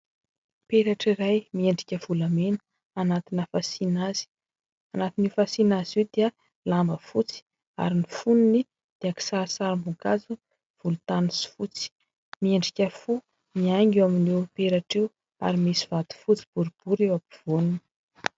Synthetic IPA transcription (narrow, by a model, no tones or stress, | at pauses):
peɾaʈ͡ʂiɾajmieɳɖ͡ʐikʲəv̥ulamenə̥ | anat̪inəfasinaz̥i̥ | anat̪inifasinaziwd̪iə | lambəfut͡si̥ | a̰ɾinifunini | d̪̥eaki̥saɾsaɾambukazu | v̥ulut̪anisi̥fut͡si̥ | mieɳɖ͡ʐikʲəfu | miaŋɡewaminiwpeɾaʈ͡ʂew | a̰ɾimisiv̥at̪u̥fut͡si̥b̥uɾub̥uɾewapi̥v̥ununi̥